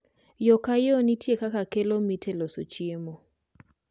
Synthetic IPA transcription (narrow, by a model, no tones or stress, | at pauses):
jɔkajonitjekakakelomitʰeloso̰t͡ʃiemo